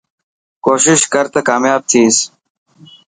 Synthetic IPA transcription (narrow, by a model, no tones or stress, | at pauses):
koːʃɪʃkəɾt̪ɐkaːmjaːb̚t̪ʰiːs